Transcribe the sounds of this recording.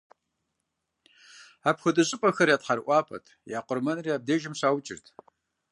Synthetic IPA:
aːpxʷʊdʼɨɕʼɪpʼɐxɐɾjaːtʰħɐrʔʷʼɑːpʰɐ̰tʰjaːqʷʼʊrmɐnriaːb̚deːʒɪmɕaːwt͡ʃʼɪ̰rtʰ

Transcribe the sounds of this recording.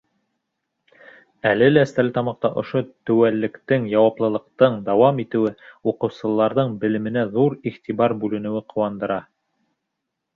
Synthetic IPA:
ælɘlæst̪ælɘt̪ɑmɑq̚t̪ɑʔŏʃot̪ɵ̆wælːɘ̆kt̪ɘŋjɑwɑplˠɤ̆lˠɤ̆q̚t̪ɤɴd̪ɑwɑmit̪ɘ̆wɘuqɤ̆wsɤ̆lˠːɑɾðɤɴbɘ̆lɘ̆mɘ̆næðuɾiχt̪iβɑɾbʉlɘ̆nɘ̆wɘqʰŏwɑnd̪ɤ̆ɾɑ

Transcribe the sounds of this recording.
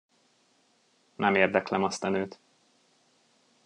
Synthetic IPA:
nʔɛmeːrd̪ɛklɛmɒst̪ɒnøːt̪

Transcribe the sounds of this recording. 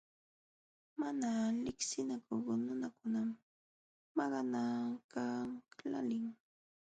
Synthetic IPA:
manalɪksɪnakʊχnʊnakʊnamː | ɑɢɑnakala̰lɪŋ

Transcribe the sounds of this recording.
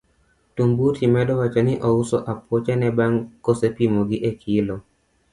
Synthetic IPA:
tumbutʰimɛdɔwat͡ʃɔnɪʔɔusɔʔapwɔt͡ʃanɛbaŋkɔsepimoɡiʔekʰilɔ

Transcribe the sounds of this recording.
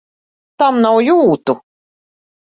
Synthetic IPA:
t̪amnawjuːt̪u

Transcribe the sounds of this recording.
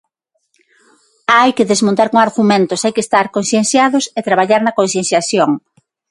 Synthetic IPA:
ajkɪðezmõnt̪aɾkoŋaɾɣumẽnt̪osajkest̪aɾkonθjen̟θjaðʊset̪ɾaβaʎaɾnɐkõnθjẽn̟θjaθjoŋ

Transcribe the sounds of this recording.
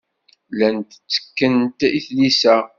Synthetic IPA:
lænt̪t͡sːə̥kːənt̪iθlisæ

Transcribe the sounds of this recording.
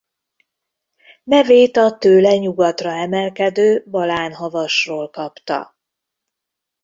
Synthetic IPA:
nɛveːt̪ɒt̪øːlɛɲuɡɒt̪rɒɛmɛlkɛd̪øːbɒlaːnɦɒvɒʃroːlkɒpt̪ɒ̰

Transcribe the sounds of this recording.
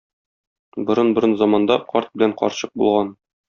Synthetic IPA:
bŏɾɤnbŏɾɤnzɒmɑnd̪ɑqɒɾt̪̚bɘ̆læɴqɒ̰ɾɕɤq̚bṵlˠʁɑn

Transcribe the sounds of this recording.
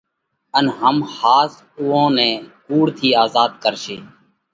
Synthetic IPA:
ənɦəmhaːs | ʊːõːnɛ̃ːkuːɽt̪ʰiːaːzaːd̪kəɾʃeː

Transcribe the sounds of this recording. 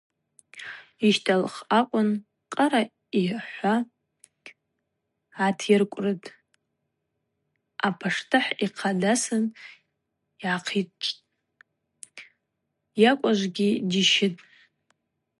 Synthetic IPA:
iʃtʰalχakʷʼʊn | qʼaɾa | iħʷa | tʰjɪrkʷʼrɨtʼ | apʰaʂtʰɨħiqʰadasɨn | iʕaqʰit͡ʃʼtʼ | jakʷʼaʒʷɡʲidiʃɪtʼ

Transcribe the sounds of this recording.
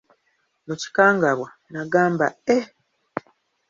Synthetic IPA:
muci̥kaːŋɡaβwa | naɡaːmba̰e

